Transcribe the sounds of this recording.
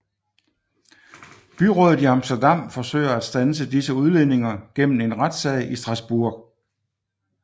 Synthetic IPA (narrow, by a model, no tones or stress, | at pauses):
b̥yʁɔ̽ð̩ˠiɑ̈msd̥ɐd̥ɑ̈m̰fɒ̽sø̰ɪ̰ɐæd̥sd̥æns̬əd̥isəuð̞ˠle̝ne̝ŋɐɡ̥em̰m̩e̝nʁad̥sɛɪisd̥ʁɑ̈sb̥uɐ̰ɡ̥